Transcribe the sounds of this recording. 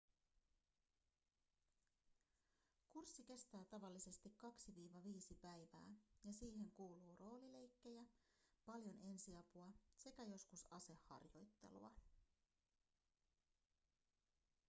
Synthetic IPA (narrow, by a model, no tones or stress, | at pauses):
kursːike̞st̪æːt̪ɑʋɑlːise̞st̪ikkɑksiʋiːʋɑʋiːsipæjʋæ̰ːjɑsiːhe̞ŋkuːluːro̞ːlile̞jkːe̞jæpɑljo̞nʔe̞nsiɑpuɑse̞kæjo̞skusɑse̞hːɑ̰rjo̞̰jt̪ːe̞̰lṵɑ